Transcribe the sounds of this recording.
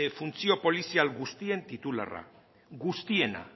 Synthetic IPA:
funt͡sio̞po̞lisialɡust̪ie̞nt̪it̪ula̰ra̰ | ɡust̪ie̞na̰

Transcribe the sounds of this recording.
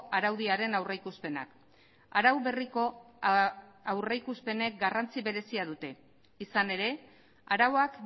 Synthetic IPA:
ʔaɾawðiaɾe̞nawrejkuspe̞na̰k | aɾawβe̞riko̞ | awrejkuspe̞ne̞k̚ɡarant͡siβe̞ɾe̞siaðut̪e̞ | isane̞ɾe̞ | aɾawoak

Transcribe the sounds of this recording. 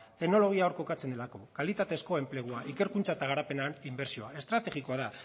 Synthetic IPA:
t̪e̞kno̞lo̞ɣ̞iaoɾko̞kat͡se̞nd̪elako̞kalit̪at̪e̞sko̞e̞mple̞ɣ̞uaʔike̞ɾkunt͡saet̪aɣ̞aɾape̞nanimbe̞ɾsio̞ae̞st̪ɾat̪e̞ɣiko̞aða

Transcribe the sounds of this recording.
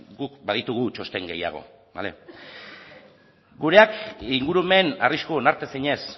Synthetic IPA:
ɡukbaðit̪uɣ̞ut͡ʃo̞st̪e̞ŋɡeja̰ɣ̞o̞̰ | ba̰le̞̰ | ɡuɾe̞akiŋɡuɾueme̞nariskoonaɾt̪e̞siɲe̞s

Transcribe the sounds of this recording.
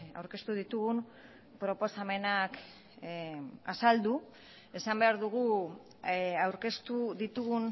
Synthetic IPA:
a̰wɾke̞st̪uðit̪uɣun | pɾo̞po̞same̞nak | asald̪u | e̞sambe̞aɾðuɣ̞u | awɾke̞st̪uðit̪uɣun

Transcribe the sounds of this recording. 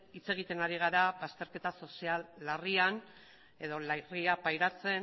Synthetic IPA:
it͡se̞ɣ̞it̪e̞naɾiɣ̞aɾaβast̪e̞ɾke̞t̪aso̞sialːarian | e̞ðo̞lriapajɾat͡se̞n

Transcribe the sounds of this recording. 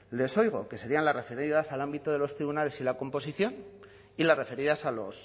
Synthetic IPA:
le̞so̞jɣ̞o̞ke̞se̞ɾianlare̞fe̞ɾðasalambit̪oðe̞lo̞st̪ɾiβunale̞silako̞mpo̞siθjo̞n | ilare̞fe̞ɾiðasalo̞s

